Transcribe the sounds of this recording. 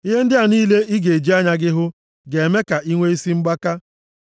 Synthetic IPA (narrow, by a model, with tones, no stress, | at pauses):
i˦ɦe˦n̩˦dɪ˦a˨niː˦le˦i˦ɡe˨d͡ʒi˦a˦ɲa˦ɡɪ˦ɦʊ˦ | ɡe˨e˨me˦ka˨ʔi˦ŋʷe˦i˦si˦ŋ͡m̩˦ɡ͡ba˦ka˦